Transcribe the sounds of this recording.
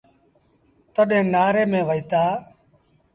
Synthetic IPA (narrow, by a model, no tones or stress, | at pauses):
t̪əɗẽːnaːɾeːmẽːʋəiːt̪aː